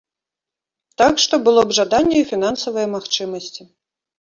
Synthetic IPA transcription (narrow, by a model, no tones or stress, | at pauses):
t̪akʂt̪ɔbɨlˠɔbʐad̪anʲːɛifʲin̪ansɐvɐjɐmaxt͡ʂɨmɐsʲt͡sʲi